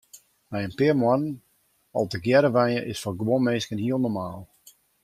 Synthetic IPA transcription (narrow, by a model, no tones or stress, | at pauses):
mɛjənpɪəmwɔnən | ɔlˠtəɡjɛɾəʋɛjəʔɪsfɔɡwomeːskənhiəlˠnɔrmaːlˠ